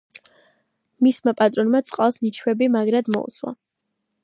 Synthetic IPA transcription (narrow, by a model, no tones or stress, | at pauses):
mismapʼat̪ʼɾɔnmat̪sʼqʼalˠsnit͡ʃʰwɛbimaɡɾad̪mɔ̰ṵswa̰